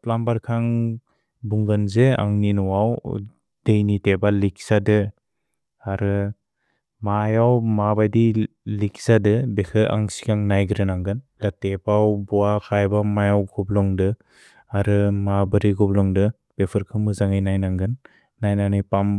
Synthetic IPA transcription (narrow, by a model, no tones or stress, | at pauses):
plambaɾkʰaŋ | buŋɡɯnzea̰ŋninɔwaw | d̥ejnitebalik̚sadɯ | aɾɯ | majawmabajdi | likz̥adɯbekʰɯʔa̰ŋsi̥kʰaŋnajɡɯɾɯnaŋɡɯnlatepawbɔakʰajbamajawɡɔblɔŋdɯ | aɾɯmabɯɾiɡɔblɔŋdɯ | b̥epʰɯɾkʰɯmɯzaŋajnajnaŋɡɯnː | ajnanɯjpam